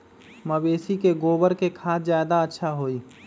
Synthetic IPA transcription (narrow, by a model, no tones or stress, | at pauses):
məbeːsikeɡoːbəɾkekʰaːtzjaːd̪aətːʃʰaɦoːiː